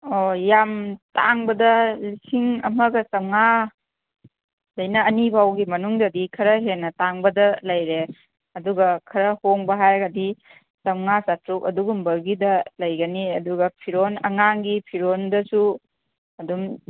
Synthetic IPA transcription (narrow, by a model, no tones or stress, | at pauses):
ojamtaŋbɐdɐlisiŋɐmɐɡɐsɐmŋa | lɐjnɐːnibʱawɡimɐnuŋdɐdikʰɐɾɐɦenːɐtaŋbɐdɐlɐjɾe | ɐduɡɐkʰɐɾɐhoŋbɐɦajɡadi | sɐmŋasatɾukɐduɡumbɐɾɡidɐlɐjɡɐniɐduɡɐpʰiɾonɐ̰ŋaŋɡipʰiɾondɐsu | ɐdum